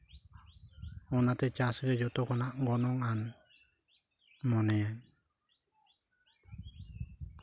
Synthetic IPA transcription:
ɔnat̪ɛt͡ʃasɡed͡ʒɔt̪ɔkɔnaŋɡɔnɔŋan | mɔnɛɛn

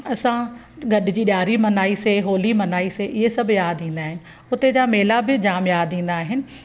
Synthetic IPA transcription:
ɐsã | ɡɐɗɪd͡ʑiːɗjaːɾimɐnaːiseɦoːlimɐnaːiseʔɪɦesɐbʱjaːd̪ĩːnd̪aːɦɪnɪ̆ | ʊt̪ed͡ʑameːlabɪd͡ʑaːmjaːd̪ĩːn̆d̪aːɦɪnɪ̆

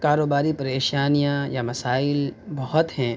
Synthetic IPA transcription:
kaːɾoːbaːɾipɐɾeːʃaːnijãjamɐsaːɪlbɐɦɔt̪ɦɛ̃ː

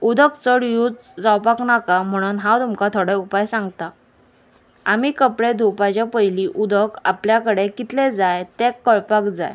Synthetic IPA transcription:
ud̪ʱəkt͡səɽjuːt͡sd͡zawpaknakam̤əɽ̃uːnɦãwt̪umkat̪ʰoɽɛupajsãŋɡt̪a | amiːkəpɽed̪ʱupat͡ɕapəjliːʔud̪ʱəka̰pljakəɽekit̪led͡zajt̪ekːəɭpakd͡za̰j

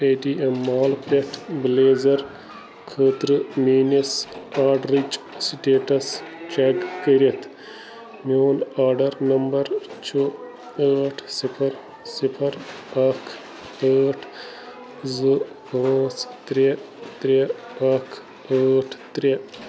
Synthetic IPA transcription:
eːɖiemːaːlpleʈʰbleːzɐɾ | kʰəːt̪ɾɨmiːnɐsaːɾɖɾit͡ʃ | siʈeːʈɐst͡ʃeɡkəɾet̪ʰ | moːnaːɾɖɐɾnɐmbɐɾt͡ʃʰo | əːʈʰsipʰɐɾ | sipʰɐɾ | ɐkʰ | əːʈʰ | zɨ | pɐ̃ːst̪ɾe | t̪ɾʲeɐkʰ | əːʈʰt̪ɾʲe

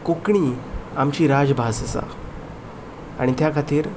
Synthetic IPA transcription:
kokɳiːamt͡ɕiːɾad͡zbʱast͡sa̰ | a̰ɽ̃it̪jakʰat̪iːɾ

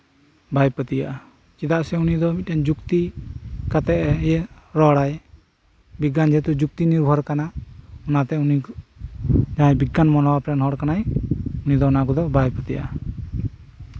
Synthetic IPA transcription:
bʱajpət̪ija̰ʔa | kid̪aʔsɛunid̪ɔmit̪̚ɛnd͡ʒukt̪ikat̪ɛʔɛjɛɾɔɽaj | biɡːand͡ʒɛt̪ud͡ʒuk̚t̪iniɾbʱɔɾkanaɔnat̪ɛuni | d͡ʒaãjbiɡanmɔnɔwapɾɛnɦɔɽkanajunid̪ɔunakɔd̪ɔbajpət̪ija̰ʔ

